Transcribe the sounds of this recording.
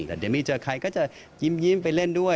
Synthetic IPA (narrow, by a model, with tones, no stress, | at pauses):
lɛː˧˩de˧miː˦˥˩t͡ɕəː˧kʰa˧jkɔː˥˩t͡ɕa˧˩ | ji˧˥mji˧˥mpa˧jle˥˩ndu˥˩ə